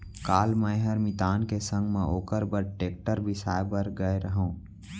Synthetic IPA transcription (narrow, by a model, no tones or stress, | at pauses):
kaːlmɛ̃ɦɐɾmɪt̪aːnkesə̃ŋɡmɛ̃ʔoːkəɾbəɾʈeːk̚ʈəɾbʱisa̰ːebəɾɡəeɾəɦõː